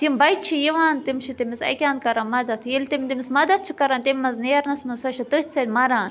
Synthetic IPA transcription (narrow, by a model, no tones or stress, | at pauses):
t̪imbɐjt̪t͡ʃʰijiʋaːnt̪imt͡ʃʰit̪imisɐ̰kʲaːnkɐɾɐnmɐd̪ɐt̪ʰjilʲt̪imt̪imismɐd̪ɐt̪̚t͡ʃʰikɐɾant̪imʲːɐznijɐɾnɐsmɐsɐʃɐt̪ɨht̪ʲsɐd̪ʲmɐɾaːn